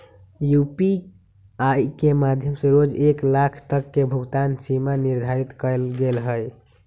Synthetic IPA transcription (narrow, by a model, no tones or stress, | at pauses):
jupi | ajkemad̪ʱjəmseɾod͡ʒeklakʰt̪əkːebʱuɡt̪ansimaniɾd̪ʱaɾit̪kəlɡelɦəj